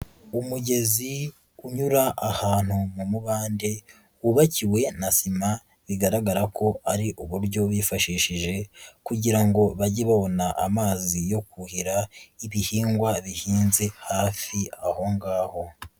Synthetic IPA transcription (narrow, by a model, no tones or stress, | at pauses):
umuɟe̞zi | uɲuɾaʔahaːn̥humumuβaːnde̞ | uβaciwe̞nasima | βiɡaɾaɡaɾakʰo̞aɾiʔuβuɾɟo̞βifaʃiʃiʒe̞kuɟiɾaŋɡo̞βaɟiβaβo̞naʔa̰maːzijo̞kuhiɾaiβihiːŋɡwaβihiːnze̞haːfiaho̞ŋɡaːho̞